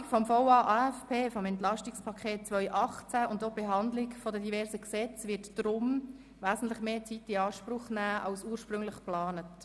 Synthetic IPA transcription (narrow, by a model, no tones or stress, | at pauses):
kfɔmfowɑːʔɑːɛfpʰeːfɔmɛntlɑʃtɪkspʰɑkʰχeːt̚t͡sʋœʏʔɑχt͡sæʊndobeɦɑndlɪkfodədivɛɾsəksɛt͡svɪtd̥ɾʊm | ʋæːzn̩tlɪχmeːt͡sitiɑːʃpɾʊχnæːʔɑ̰lsuːəɾʃpɾʏŋlɪχplɑːnət